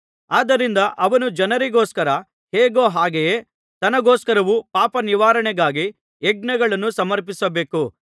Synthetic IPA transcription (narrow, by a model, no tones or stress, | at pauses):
aːd̪ɐɾind̪ɐʔɐʋɐnud͡ʒɐnɐɾiɡoːskɐɾɐ | heːɡo̞ːɦaːɡeje | t̪ɐnɐɡoːskɐɾɐʋupaːpɐniʋaːɾɐɳɛɡaːɡi | eɡ̚nɐɡɐɭɐnːusɐmɐɾpisɐbe̞ːku